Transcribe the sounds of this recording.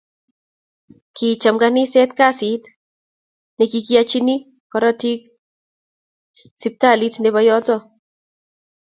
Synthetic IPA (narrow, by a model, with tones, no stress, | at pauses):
ki˨t͡ʃa˨mɡani˦sɛ˦tka˦si˨t | nekiki˦at͡ʃi˦ni˦ | kɔɾɔ˦ti˦k̚ | si˦p̚ta˦˨li˦tneβajɔ˦tɔ